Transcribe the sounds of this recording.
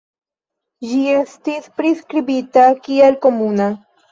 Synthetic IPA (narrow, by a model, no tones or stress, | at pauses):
ʒiest̪ispɾiskɾibit̪akielkomuna